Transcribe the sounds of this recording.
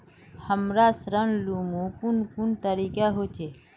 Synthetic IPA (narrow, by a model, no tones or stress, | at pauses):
həmɾaːsɾənlumũkunkuɳt̪əɾiːkaɦot͡ʃʰe